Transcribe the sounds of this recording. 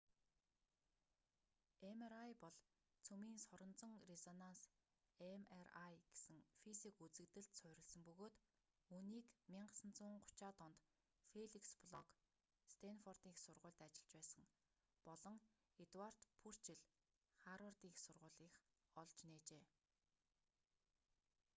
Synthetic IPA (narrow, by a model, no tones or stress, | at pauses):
emeɾajpɔɮ | t͡sʰɵmiːnsɔɾɞ̆nt͡sɞ̆ŋrezɔnans | emerajɡ̥e̥sɘ̆ŋfisikut͡sɘ̆kt̪ɘ̆ɮt̪sœɾʲɪ̆ɮsə̆mpɵɣoːt̪ | uːniːkmʲiɴɢə̆sə̆nt͡sʊːɴɢʊ̥t͡ɕaːt̪ɔnt̪ | feɮikspɮɔk | st̪ʰenfɔrt̪iːxsʊrʁʊ̟ːɮt̪at͡ɕɪ̆ɮt͡ɕpæːsə̆ŋ | pɔɮɞ̆ŋ | et̪war̥t̪pʰur̥t͡ɕɪɮ | χaɾɔrt̪iːxsʊrʁʊ̟ːɮiːx | ɔɮt͡ɕneːt͡ɕeː